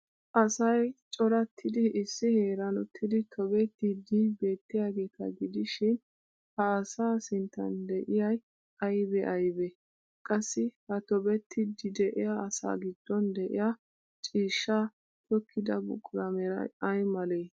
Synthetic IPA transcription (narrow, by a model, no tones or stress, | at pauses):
ʔɐsɐjt͡ʃʼɔɾɐt̪ʰːɪd̪ɪʔɪsːɪheːɾɐnʊt̪ʰːɪd̪ɪt̪ʰɔbɛt̪ːɪd̪ɪbe̞ːt̪ːɪjaːɡe̞ːt̪ːɐ̰ɡɪd̪ɪʃɪn | hɐːsaːsɪnt̪ːɐ̰nd̪ɛʔɪjɐj | ɐjbɛʔɐjbɛ | kʼɐsːɪhɐt̪ɔbɛt̪ʰːɪd̪ɪd̪ɛʔɪjaɐsa̰ːɡɪd̪ːɔnd̪ɛʔɪ̰ja | t͡ʃʼiːʃːa | t̪ɔkʰːɪd̪ɐbʊ̰kʼːʊɾɐmɛɾɐ̰ɐjmɐleː